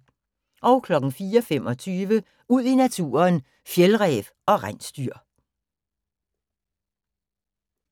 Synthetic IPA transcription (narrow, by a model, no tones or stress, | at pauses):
ʔɒ̽ʊkʰlɒ̽ɡ̥ŋ̩fiːɐɒfem̰ʔɒ̽t͡sʰyːʋə | uð̞̰ˠinæt͡sʰuːɐn | fjelʁɛːʋ | ɒ̽ʁansd̥yɐ̰